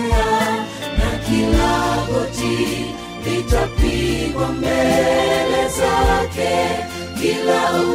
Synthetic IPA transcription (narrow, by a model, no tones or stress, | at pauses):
ɲa | nakilahɔti | litapiɡwambɛlɛzakɛ | bilau